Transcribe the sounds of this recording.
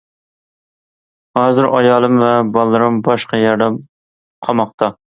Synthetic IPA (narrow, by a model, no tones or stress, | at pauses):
hɑːzɪɾʔɑjɑːlˠɨmvɛbɑlˠːɨɾɨmbɑʃqɑjɑɾd̪ɛm | qʰɑmɑq̚t̪ʰɑ